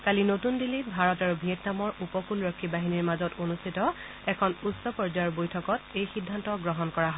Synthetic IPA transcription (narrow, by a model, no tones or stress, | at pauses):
kalinotundilibʱaɹɔtaɹubʱiɛtnamɔɹupɔkulɹɔkʰːibaɦiniɹmazɔtonustʰitɔ | ɛkʰɔnusɔpɔɹzajɔɹbojtʰɔkɔtejxidʱːantɔɡɹɔɦɔnkɔɹaɦɔ